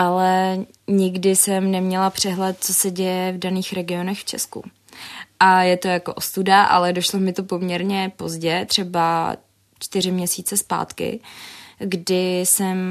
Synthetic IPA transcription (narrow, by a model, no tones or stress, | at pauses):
ʔalɛ | ɲɪɡdɪsɛmnɛmɲɛlapr̝̥ɛɦlɛt̪̚t͡so̞sɛɟɛjɛvdaniːxɾɛɡɪo̞nɛxft͡ʃɛ̰skṵ | ʔajɛt̪o̞jako̞ʔost̪udaʔa̰lɛdo̞ʃlo̞mɪt̪o̞po̞mɲɛɾɲɛpo̞zɟɛt̪r̝̥ɛba | t͡ʃt̪ɪrɪmɲɛsiːt͡sɛspa̰ːt̪kɪ̰ | ɡdɪsɛm